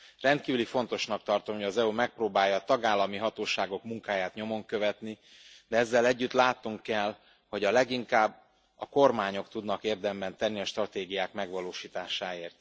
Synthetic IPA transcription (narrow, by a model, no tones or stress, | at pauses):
rɛnt̪̚kiːvylifo̞n̪t̪o̞ʃnɒk̚t̪ɒrt̪o̞mhoɟɒzɛumɛk̚proːbaːjːɒːt̪ɒɡaːlːɒmiɦɒt̪oːʃaːɡo̞kmuŋkaːjaːt̪ɲo̞mo̞ŋkø̞vɛt̪ni | d̪ɛɛzːɛlɛɟːyt̪laːt̪nuŋkɛl | ho̞ɟɒlɛɡiŋkaːbː | ɒko̞rmaːɲo̞kt̪ud̪nɒkeːrd̪ɛmbɛnt̪ɛnːiɒʃt̪rɒt̪eːɡijaːkmɛɡʋɒloːʃiːt̪aːʃaːeːrt̪